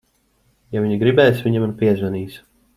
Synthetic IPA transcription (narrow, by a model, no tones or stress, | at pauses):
javiɲiɡɾibɛːjsviɲamɾpiɛzvɛniːs